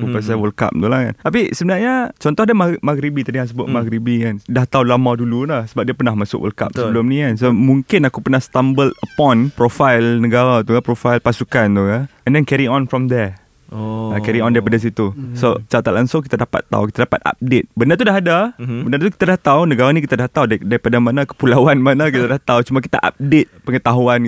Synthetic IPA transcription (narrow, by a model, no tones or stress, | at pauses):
kupasawəlka̰p̚t̪ulahka̰nt̪apisəbənaɲat͡ʃɔnt̪ɔhdamaɡmaɡɾibit̪adijãŋs̬əbʊʔ̪maɡɾibikandaht̪aulamadululahsəbap̚diapərnahmasʊ̰kwə̰lka̰p̚səəbbəlʊmnikansəoamuŋkɪnakupərnahst̪ambələpɔ̃npɾɔfajlnəɡaɾat̪ukapɾɔfalpasukant̪ukanɛ̃ndɛnkɛɾiɔ̃nfɾɔmd̪ɛ | akɛɾiɔ̃ndaɾipadas̬it̪usot͡ʃat̪aʔ̪laŋsʊŋk̬it̪adapa̰t̪ːa̰ukit̪adapa̰t̪̚a̰p̚det̪̚bənat̪udaɦadabənart̪uki̥t̪adaht̪awnəɡaɾanikit̪adaht̪awddaɾipadamanakə̥pulawanmanakit̪adaht̪aut͡ʃumak̬i̥t̪a̰ʔa̰p̚det̪̚pəŋət̪aɦuan